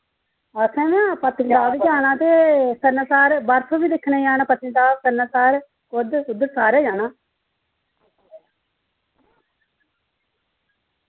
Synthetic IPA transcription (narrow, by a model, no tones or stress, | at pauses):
əsɛ̃ːmɛ̃ːpət̪kd̪aːʋiːd͡ʒaːnãːt̪eːsəɾnaːsaːɾbəɾt̪ʰoːbiːd̪ɪkʰːneːaːnãːpət̪ɪ̃ːd̪aːsəɾnaːsaːɾ | kʊd̪ʊd̪əɾsaːɾeːd͡ʒaːnãː